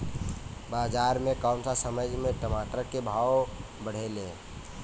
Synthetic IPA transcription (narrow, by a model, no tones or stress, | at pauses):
baːd͡ʒaːɾmẽkɔːmsasəməd͡ʒʱmẽʈəmaːt̪ɾəkebʱaːw | bəɽ̤ele